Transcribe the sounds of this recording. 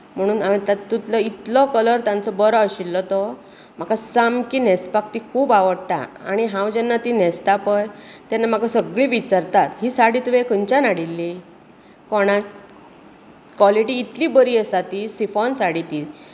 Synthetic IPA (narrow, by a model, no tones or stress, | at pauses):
m̤əɽ̃uːnamit̪at̪ːut̪lɔit̪lɔkələɾt̪ãnt͡sɔbəɾɔəɕilːɔt̪ɔ | m̤akʰasamkiːnɛspak̚t̪ikʰuːbaʋəɽʈ̪a̰a̰ɽ̃iɦãwd͡ʑɛnːat̪inɛst̪apəjt̪janːam̤akʰasəɡɭiːʋit͡ɕaɾt̪at̪ɦiːsaɽiːt̪ʋekəɲt͡ɕanaɽilːi | kɔɽ̃a | kʋɔliʈiːt̪liːbəɾiːəsat̪isifɔnsaɽit̪i